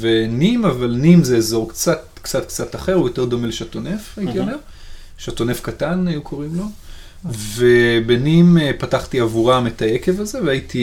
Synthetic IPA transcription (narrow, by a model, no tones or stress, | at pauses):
venimavalnimzeezo̞ʁkt͡sat̚ | kt͡sat̪kt͡sataχe̞ʁujo̞te̞ʁd̪o̞meleʃatonefajit̪iomeʁ | ʃatonefkatanajukʰo̞ʁimlo̞ | ve̞benimepataχtiavuʁametaeke̞vazeveaitʰi